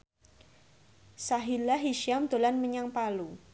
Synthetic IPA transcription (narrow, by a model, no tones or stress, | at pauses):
saɦilaɦiʃjamd̪̥o̤lanməɲaŋpalu